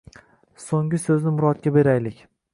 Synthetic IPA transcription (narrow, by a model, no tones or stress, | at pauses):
soŋɡɪsɵznɪmʊɾɒt̪̚kʲabe̞ɾajlɪkʲ